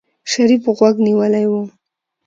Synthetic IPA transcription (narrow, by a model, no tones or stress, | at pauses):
ʃaɾifɣwaɡniwəlajwu